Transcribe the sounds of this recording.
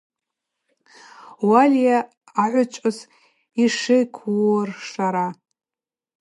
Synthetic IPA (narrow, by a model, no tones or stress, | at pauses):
walʲjaː | ʕʷʊt͡ʃʷʼaz | iʂejkʷʰwrʂaɾa